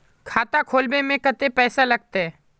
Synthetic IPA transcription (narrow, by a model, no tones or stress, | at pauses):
kʰaːt̪akʰoːlmẽmẽkɐt̪epɛːsalɐɡ̚t̪eɦɛː